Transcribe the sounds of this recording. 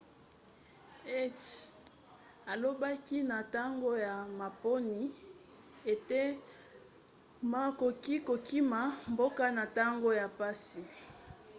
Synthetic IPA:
e˦t | a˨lo˦ba˦ki˦na˨ta˦ŋɡo˦ja˨ma˨po˦ni˨ | e˨te˦ | ma˨ko˨ki˦ko˨ki˦ma˨mbo˦ka˦na˨ta˦ŋɡo˦ja˨pa˦si˨

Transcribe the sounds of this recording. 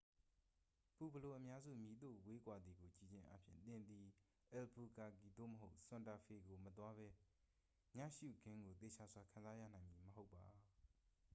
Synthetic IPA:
pu˨bə˨lo˨ʔəmja˦zṵ˦˨mji˨d̪o̰˦˨we˦kwa˨d̪ði˨ɡo˨t͡ɕi˦˨d͡ʑɪ̃˦ʔa˦pʰjɪ̰̃˦˨nt̪ɪ̃˨nd̪i˨ | ʔɛ˨lpʰu˨ka˨ɡi˨d̪o̰˦˨məɦo˦ʊʔsʊ̃˨nta˨fʰe˨ɡo˨mət̪̬wa˦βɛ˦ | mä̰˦˨ʃṵ˦˨ɡɪ̃˦ŋɡo˨t̪e˨t͡ɕʰa˨zwa˨kʰã˨nza˦jä̰˦˨nã˨ɪ̃mi˨məɦo˦ʊpːa˨

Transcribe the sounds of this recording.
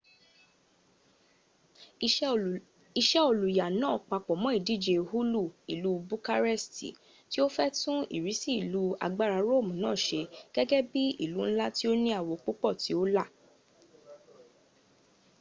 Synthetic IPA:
i˧ʃɛ˦o˨lu˨ja˨nã˦˨k͡pa˧k͡pɔ˨mɔ̃˨˦i˦˨di˨˦˨d͡ʒe˧hu˦lu˦˨i˨lu˨˦bu˦ka˦ɾɛ˦˨stḭ˨ | ti˦o˦fɛ˦tũ˦ḭ˦˨ɾi˨˦si˦i˦˨lu˨˦a̰˧ɡ͡ba˦˨ɾa˧ɾo˦˨mũ˨nãː˦˨ʃe˧ɡ̥ɛ˦ɡɛ˦bi˦ḭ˦˨lu˨˦ñ̩˦la˦ti˦o˦nĩ˦a˦˨wo˧k͡pu˦k͡pɔ˦˨ti˨˦o˦la˦˨

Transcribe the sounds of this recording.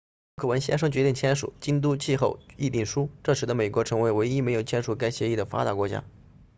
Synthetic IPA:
kʰɤ˨˩wə˧˥nɕjɛ˥ʂ̬ɤ˥ŋt͡ɕɥɛ˧˥t̪i˥˩ŋt͡ɕʰjɛ˥nʂṵ˨˩˦t͡ɕi˥nt̪̬u˥t͡ɕʰi˥˧xo˥˩ʊi˥˧t̪i˥˩ŋʂu˥ʈ͡ʂɤ˥˩ʂɻ̩˧˥d̪ə˧me˨˩ɪkwɔ˧˥ʈ͡ʂʰɤ˧˥ŋwe˧˥ɪwe˧˥ɪi˥me˧˥ɪjo˨˩ʊt͡ɕʰjɛ˥nʂu˨˩ka˥ɪɕjɛ˧˥i˥˩d̪ə˩fa̰˥t̪a˧˥kwɔ˧˥t͡ɕja̰˥

